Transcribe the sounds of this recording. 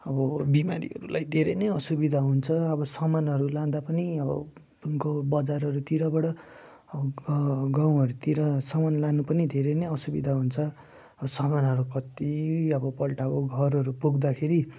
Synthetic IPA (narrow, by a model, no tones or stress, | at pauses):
ʌbʌbima̰ɾḭɦʌ̰ɾṵlajd̪ʱeɾʌnʌjʌsubid̪ʱaɦunt͡sʰʌʌbʌsʌmanɦʌɾulãd̪apʌniʌbʌ̰ | ɡbʌd͡zarɦʌɾut̪iɾʌbʌɽʌ | ʌbʌɡãw̃ɦʌɾut̪iɾʌsʌmanlanupʌnid̪ʱeɾʌnʌjʌsubḭd̪ʱaɦunt͡sʰʌ | ʌbʌsʌmanɦʌɾukʌt̪iʌbʌpʌlʈabʌɡʱʌɾʌɾupuɡd̪akʰeɾi